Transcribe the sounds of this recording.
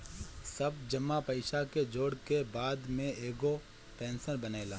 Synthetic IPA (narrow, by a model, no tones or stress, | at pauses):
sɐbd͡ʒɐmːapɐɪʃaked͡ʒoːɽkebaːd̪mẽeːɡo | pɛ̃ːnsəɾbɐneːlaː